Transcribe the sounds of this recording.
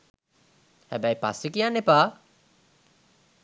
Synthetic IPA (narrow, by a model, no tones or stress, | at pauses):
hæbæjpa̰sikijanːepaː